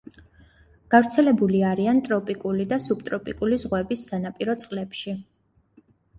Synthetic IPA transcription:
ɡ̥avɾt̪sʰɛlɛbuliaɾiant̪ʼɾɔpʼikʼulid̪asub̥t̪ʼɾɔpʼikʼulizʁwɛbisːanapʼiɾɔt̪sʼqʼlɛpʃi

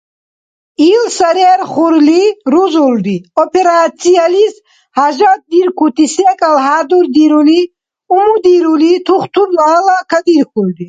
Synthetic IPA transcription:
ilsaɾɛɛɾχuɾliɾuzuld̪iɔpʰɛɾat̪t͡ssʰialis | haʒat̪̚d̪iɾkʰut̪ʰisɛkʼalɦad̪uɾd̪iɾuli | umud̪iɾulit̪ʰuχt̪ʰuɾlalakʰad̪iɾkʰuld̪i

